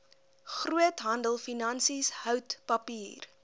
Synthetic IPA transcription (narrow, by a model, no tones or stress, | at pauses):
χruətɦɐndəlˠfinɐnsisɦœwtpɐpiːr